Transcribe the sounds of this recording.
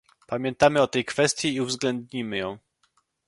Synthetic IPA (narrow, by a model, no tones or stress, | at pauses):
pamʲjɛnt̪amɘɔt̪ɛjkfɛst̪ʲjɛiuvzɡlɛnd̪ɲimɘjɔ̃w̃